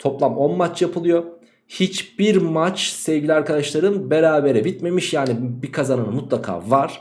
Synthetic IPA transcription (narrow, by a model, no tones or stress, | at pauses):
t̪ʰo̞plˠamo̞nmat͡ʃjapʰɯlˠɯjo̞ | hit͡ʃb̥iɾmat͡ʃsɛvɡɟilʲiaɾkad̪aʃlˠaɾɯnbeɾaːbe̞ɾɛbit̪me̞miʃjaːnibikʰazanɯnɯmut̪lˠakʰa̰ːvaɾ̥